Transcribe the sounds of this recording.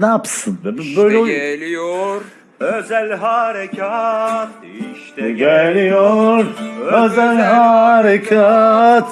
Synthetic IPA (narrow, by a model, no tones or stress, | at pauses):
naːpsɯnbbøjlʲɛo | øzælʲɦaɾecʰat̪ | ɡelijoɾøzælʲɦaɾekʰat̪